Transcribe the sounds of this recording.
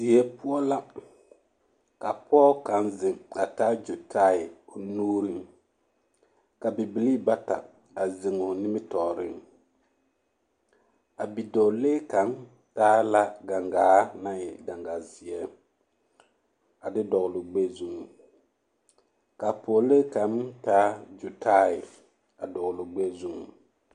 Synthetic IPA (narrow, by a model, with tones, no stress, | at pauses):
zi˨ɛ˦pʊ˦ɔ˦la˦ | ka˨pɔː˦ka˨˦nzɪ˨ŋa˨taː˦d͡ʒo˨tʰaː˦ɪ˨ʊ˨nuː˦ɾi˦ŋ | ka˨bɪ˨bi˨li˦ba˦ta̰˨ | a˨zɪ˨ŋʊ˨nɪ˦mɪ˦tɔː˨ɾɪ̰˦ŋ | a˨bi˨dɔ˨leː˦ka˨˦n | taː˦la˦ɡa˨ŋɡaː˨˦na˦jɛ˨ɡa˨ŋɡa˨zi˨ɛ˦ | a˨dɪ˦dɔ˨ɣʊ˨lʊ˨ɡ͡be˦zu˦ŋu˨ | ka˨po˨leː˦ka˨˦mtaː˦d͡ʒu˨tʰaː˦ɪ˨ | a˨dɔ˨ɣʊ˨lʊ˨ɡ͡be˦zu˦ŋṵ˨